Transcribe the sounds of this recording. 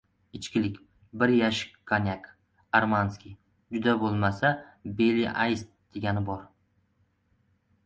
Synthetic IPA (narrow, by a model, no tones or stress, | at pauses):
ɪt͡ʃkʲɪlɪkʲ | bɪɾjaʃɪ̥kʰːanʲak | aɾmanskʲi | d͡ʒʊd̪abolˠmasabe̞liʔajst̪̚d̪̥eɡʲanɪbɒɾ